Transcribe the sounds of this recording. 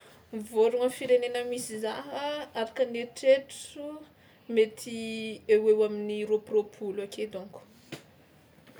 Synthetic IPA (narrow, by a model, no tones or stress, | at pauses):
mivoɾuŋəfiɾenenəmisizaɦəaɾakəneʈ͡ʂeʈ͡ʂu | met̪ʰiewewaminiropropʰulakʰed̪uŋku̥